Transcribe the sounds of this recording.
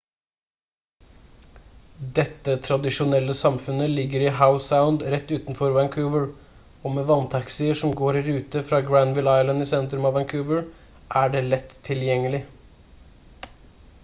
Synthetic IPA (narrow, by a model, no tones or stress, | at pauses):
d̪ɛt̪ːət̪ʰɾɑd̪ɪʂʊnɛlːəsɑmfʉnəlɪɡəɾiɦaʊsaʊnd̪ɾɛt̪ːʉːt̪nfɔɾʋæŋkʰʉːʋəɹ | oːmeːʋɑnt̪ʰɑksɪəʂɔmɡoːɾɪɾʉːt̪əfɾɑːɡɹænʋɪlɑɪlɑnɪsɛnt̪ɾʉmɑːʋæŋkʰʉːʋəɹ | ʔæːɖeːlɛt̪ʰːɪljɛŋːəlɪ